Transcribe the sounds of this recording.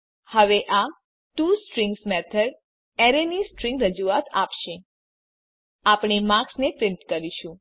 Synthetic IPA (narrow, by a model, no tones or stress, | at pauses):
həʋeʔa | ʈusʈɾiŋɡsmɛt̪ʰəɽ | ɛɾenisʈɾĩŋɡɾəd͡ʒuat̪apʃe | apɳ̃emãksnepɾɪnit̪kəɾiʃũ